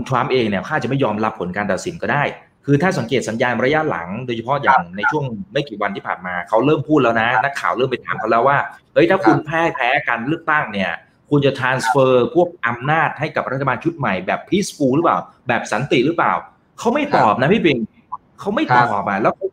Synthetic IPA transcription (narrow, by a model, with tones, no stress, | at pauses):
u˧nt̪ʰɾa˦˥mʔeː˧ŋni˥˩ɐ˩kʰaː˥˩t͡ɕa˨˩ma˥˩jɔː˧mɾa˦˥pʰːo˩˦nkaː˧nt̪a˨˩t̪si˨˩˦nkɔ˥˩daː˥˩j | kʰɯː˧t̪ʰaː˥˩sa˩˦ŋke˨˩t̪̚sa˩˦njaː˧nɾa˧ja˦˥ʔla̰˩˦ŋdoː˧jt͡ɕʰa˧pʰɔ˦˥ja̰ː˨˩ŋna˧jt͡ɕʰu˥˩əŋma˥˩jkiː˨˩wa˧nt̪ʰiː˥˩pa̰ː˨˩nmaː˧kʰa˦˥wɾɤː˥˩mpʰuː˥˩t̪̚lɛː˦˥wna˦˥na˦˥kʰːaː˨˩wɾɤː˥˩mpe˧nt̪ʰaː˩˦mkʰlɛː˦˥waː˥˩ʔɤ˦˥jt̪ʰaː˥˩kʰu˧npʰɛː˦˥˩pʰɛː˦˥kaː˧nɾɯ˥˩ək̚t̪a˥˩ŋni˥˩ɐ | kʰu˧nt͡ɕa˨˩t̪ʰɾaː˧nsfɤː˧pʰu˥˩ək̚ʔa˧mnaː˥˩t̪̚ha˥˩jka˨˩p̚ɾt̪̚ʰːa˧baː˧nt͡ɕʰu˦˥t̪̚ma˨˩jbɛː˨˩pʰːiː˦˥sfuː˧ɾɯ˦˥paː˨˩wbɛː˨˩p̚sa˩˦nt̪i˨˩ɾɯ˦˥plaː˨˩w | kʰa˦˥wma˥˩jt̪ɔː˨˩p̚na˦˥pʰiː˥˩pi˧ŋ | kʰa˦˥wma˥˩jt̪ɔː˨˩sɔː˨˩p̚ʔa˨˩lɛ˦˥wkʰ